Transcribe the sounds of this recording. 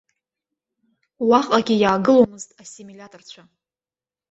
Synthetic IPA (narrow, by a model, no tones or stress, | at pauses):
waχʼaɡʲijaːɡɨlomɨztʼasimilʲatʰʼort͡ɕʷʰa